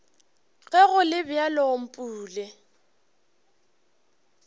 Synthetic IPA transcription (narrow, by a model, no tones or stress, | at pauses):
ɣɛɣʊlɪbjalɔm̩pʼuːlɛ